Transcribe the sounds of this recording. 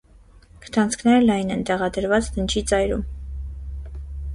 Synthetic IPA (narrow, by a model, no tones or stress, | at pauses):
kʰə̥t̪ʰɑnt͡sʰkʰnɛɾlɑjnɛnt̪ɛʁɑd̪əɾvɑt͡sd̪ənt͡ʃʰit͡sɑjɾṵm